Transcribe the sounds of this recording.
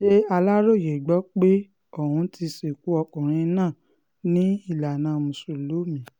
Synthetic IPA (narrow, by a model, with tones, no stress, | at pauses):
ʃe˦a˧la˦ɾo˦˨je˨ɡ͡bɔ˨˦k͡pe˦ | o˦˨hũ˧˦ti˧se˨ku˨˦ɔ˧kɔ̃˨ɾ̃ĩ˧nãː˦˨ | nĩ˦i˦˨la˨nãː˨˦mũ˨so˨lo˨˦mĩ˨˦